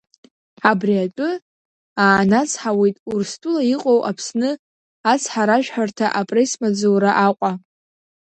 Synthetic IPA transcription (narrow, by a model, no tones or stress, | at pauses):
abriatʷʼʊ | aːnat͡sʰħawe̞jtʼurstʼulaiqʼowʔapʰsnɨ | at͡sʰħaɾaʒᶣħartʰaʔapʼrejsmad͡zowɾaʔaqʷʼa